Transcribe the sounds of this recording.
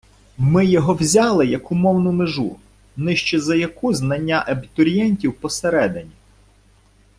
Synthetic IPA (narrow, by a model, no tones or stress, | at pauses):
mɪjɔɦɔwzʲɑlˠɪjɐkʊmɔwnʊmeʒu | nɪʃt͡ʃɛzɐjɐkuznɐnʲːaʔɐbʲit̪ɔɾʲjɛnʲtʲiwpɔseɾɛd̪ɪnʲi